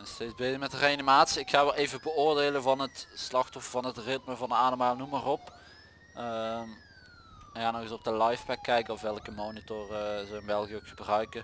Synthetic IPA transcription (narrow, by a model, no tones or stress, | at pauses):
ɛnstejzbejzəmɛtəreɑnimaːtsiɪkxaːʋɛlˠejvəbəʊːɹdeːləvɑnɦətslɑxtɔfəɹvɑnətrɪt̚məvɑnəaːdəmaːlˠnumarɔp | əm | jaːnɔɣəsɔb̚dəlɑjfpɛkːɛjkənɔfʋɛlˠkəmoːnitɔrəzəɪnbɛlˠɣiəokxəbrœɥkə